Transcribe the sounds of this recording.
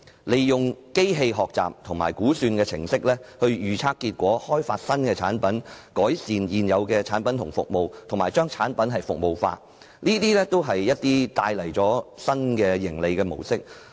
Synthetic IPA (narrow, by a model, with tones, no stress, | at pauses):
le˨˧jjʊ˨ŋke˥jɦe˧jɦɔː˨k̚t͡sa̰ː˨p̚t̪ʰʊ˨˩ŋmaː˨˩jkuː˨˥syː˧nkɛː˧t͡sʰɪ̰˨˩ŋsɪ˥k̚lɛː˥hɵ˧ɥjyː˨˩t͡sʰaː˧˥kːiː˧t̚kʷɔː˨˥hɔː˥jfaː˧t̚sɐ˥nkɛː˧t͡sʰa̰ː˨˥npɐ˨˥nkɔː˨˥jsiː˨njiː˨njɐ˨˧wkɛː˧t͡sʰaː˨˥npɐ˨˦nt̪ʰʊ˨˩ŋfʊ̰˨k̚mo˨wt̪ʰʊ˨ŋmaː˨˩jt͡ʃœː˥ŋt͡sʰaː˨˥npɐ˨˥nɦɐ˨jfʊ˨k̚mo˨wfa̰ː˧t̚ | niː˥t̪iː˥lɛː˥t̪o˥wɦɐ˨jjɐ˥t̚t̪iː˥t̪aː˧jlɐ˨˩jt͡sɔː˨˥sɐ˥nkɛː˧jɪ˨˩ŋle˨˧jkɛː˧mo̰˨˩wsɪ˥k̚